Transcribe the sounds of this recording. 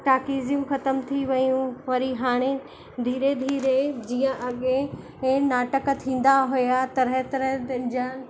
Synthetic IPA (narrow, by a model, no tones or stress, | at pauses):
ʈaːkiːzijũxɐt̪əmt̪ʰiʋɐjũʋɐɾiɦaːɽ̃e | d̪ʱiːɾed̪ʱiːɾed͡ʑiːə̃ʔɐɠe | naːʈəkt̪ʰĩːn̆d̪aɦujat̪ɐɾɦet̪ɐɾət̪ɐd͡ʑən